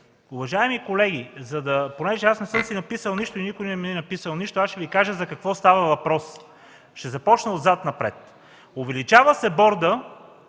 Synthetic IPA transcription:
ʊvɐʒaɛmikolɛɡ̟izɐd̪ɐponɛʒɛasnɛsɤmsinɐpisəlˠniʃt̪ʊinikʊjnɛmiɛnɐpisəlˠniʃt̪oaʃʃɛvikaʒəzɐkɐkvɔst̪avɐvɐpɾɔs | ʃt̪ɛzɐpɔt͡ʃnɐod̪zat̪nɐpɾɛ̰t̪ | ʊvɛlit͡ʃavəsɛbɔɾd̪ə

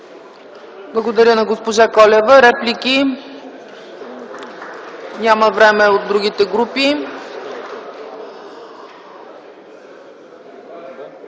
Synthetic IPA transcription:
blˠɐɡod̪ɐɾʲənɐɡospoʒakɔlɛvəɾɛpliki | nʲaməvɾɛmɛod̪ɾuɡʲit̪ɛɡɾupi

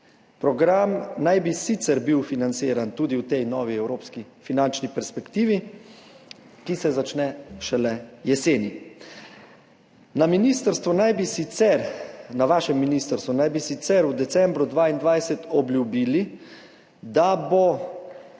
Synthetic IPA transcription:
pɾɔɡɾamnajbisit̪sɛɾbiwfinant̪siːɾant̪uːd̪iwt̪ɛjnɔːʋiɛwɾoːpskifinant͡ʃnipɛɾspɛkt̪iːʋi | kisɛzat͡ʃnɛʃɛlɛjɛseːni | naminist̪əɾst̪ʋunajbisisɛɾnaʋaːʃɛmːinist̪əɾst̪ʋunajbisit̪sɛɾwd̪ɛt̪sɛmbɾud̪ʋaːind̪ʋajsɛt̪ɔblʲjubili | d̪abo

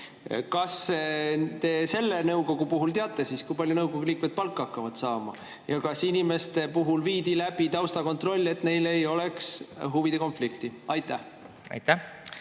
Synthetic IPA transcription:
kɑs | t̪e̞se̞lːe̞nɤwko̞ɡ̥upuɦult̪eɑt̪ːˑe̞siːskujpɑljunɤwɡo̞ɡ̥uliːkmed̪̥̚pɑlkːˑɑkːɑvɑd̪̥sɑːmɑ̰ | jɑkɑsinime̞st̪e̞puɦulviːd̪ilæb̥it̪ɑwst̪ɑko̞nt̪ro̞lʲːe̞t̪ːˑne̞jle̞jo̞le̞ksɦuvid̪̥e̞ko̞nflikt̪iɑjt̪ːˑæh | ɑ̰jt̪æ

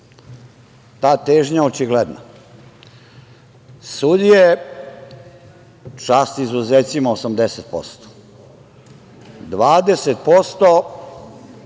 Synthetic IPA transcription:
t̪aːt̪eːʒɲaot͡ʃiɡled̪na̰ | sud̪ije | t͡ʃaːst̪izuzeːt̪simaosamd̪eset̪̚po̰st̪o̥ | d̪ʋaːd̪e̞set̪̚post̪o

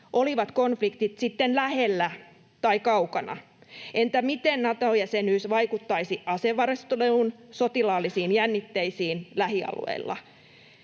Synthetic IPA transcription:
ʔoliʋɑt̪konflikt̪it̪sit̪ːenlæhelːæ | t̪ɑikɑukɑnɑ̰ | ʔent̪æmit̪ennɑt̪ojæsenyːsʋɑikut̪ːɑisiʔɑseʋɑɾest̪oleunsot̪ilɑːlːisiːnjænːit̪ːeisiːnlæɦiɑ̰lṵḛilːɑ̰

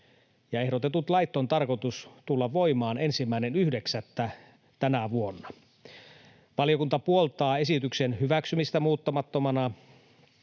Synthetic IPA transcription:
jɑe̞hɾot̪et̪ut̪lɑjt̪ːont̪ɑrko̞t̪ust̪ulːɑʋʋoimɑːne̞nsimːæinenyhdeksæt̪ːæ | t̪ænæʋuonːɑ | ʋɑlijo̞kunt̪ɑpuolt̪ɑːe̞sit̪yksenhyʋæksymist̪æmuːt̪ːɑmɑt̪ːomɑnɑ

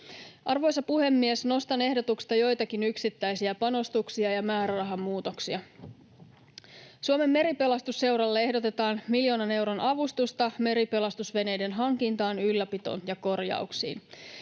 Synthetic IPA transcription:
ʔɑrʋo̞jsɑpuhe̞mːiesno̞st̪ɑne̞ɦdo̞t̪ukst̪ɑjo̞jt̪ɑkinyksit̪ːæjsiæpɑno̞st̪uksiɑjɑmæːɾærɑɦɑmːuːt̪o̞ksiɑ | suome̞mːe̞ɾipe̞lɑst̪usːe̞wɾɑlːee̞ɦdo̞t̪e̞t̪ɑːnmiljo̞ːnɑne̞wɾo̞nʔɑʋust̪ust̪ɑme̞ɾipe̞lɑst̪usʋe̞ne̞jde̞nɦɑŋkint̪ɑːnylːæpit̪o̞̰njɑko̞rjɑ̰uksḭːn

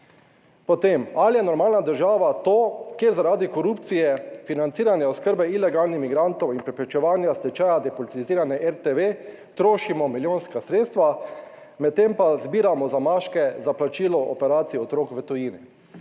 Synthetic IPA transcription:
pɔt̪emalijɛnɔɾmaːlnad̪əɾʒaːʋat̪oːkeːɾzaɾaːd̪ikɔɾupt̪sijɛfinant̪siːɾanjɛɔskəɾbɛilɛɡaːlnixmiɡɾant̪ɔwinpɾɛpɾɛt͡ʃɛʋaːnjast̪ɛt͡ʃajad̪ɛpɔlt̪liziːɾanɛʔɛɾt̪eʋe | t̪ɾoːʃimɔmiljoːnskasɾeːt̪st̪ʋa | mɛt̪̚tːempazbiːɾamɔzamaːʃkɛzaplat͡ʃiːlɔʔɔpɛɾaːt̪sijɛɔt̪ɾoːkʋət̪ɔjiːni

